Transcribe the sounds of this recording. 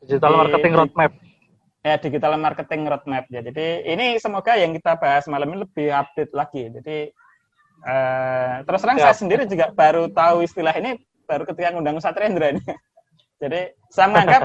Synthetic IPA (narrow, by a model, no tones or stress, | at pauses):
did͡ʒit̪almarkət̪ɪŋɾɔt̪̚mɛp̚ | jad̥id͡ʒit̪almarkət̪ɪŋɾɔt̪̚mɛp̚d͡ʒad͡ʒadiːnisəmoɡ̥ajaŋkit̪abaɦasmalaminiləb̥ɪhab̚d̥et̪̚laɡ̥id͡ʒadi | əːt̪əɾʊsɾaŋsajasəndiɾid͡ʒuɡaʔb̥aɾut̪auist̪ilaɦini | b̥aɾukət̪ikaŋundaŋusat̪ɾɛnd̪ɾain | d͡ʒ̥adi | samŋaŋkap̚